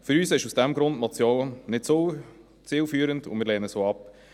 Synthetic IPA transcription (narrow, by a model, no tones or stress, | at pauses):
fʏɾyːsɪʃusd̥ɛmɡɾʊndmɔt͡sjoːnnɪtso | t͡sɪːlfyːɾəndʊ̰mɪːɾlɛːnəsoːɑp